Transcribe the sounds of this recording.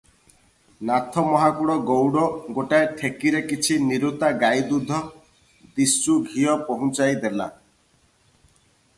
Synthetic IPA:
nat̪ʰɔmɔɦakuɽɔɡowɽɔɡoʈaeʈʰekiɾekit͡ʃʰiniɾut̪aɡajd̪ud̪ʱɔ | d̪isuɡʱijɔpɔɦũt͡ʃajd̪ela̰

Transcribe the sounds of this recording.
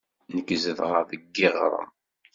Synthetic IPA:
nəkːzəðʁəɾðəɡːɪʁɾˤə̰m

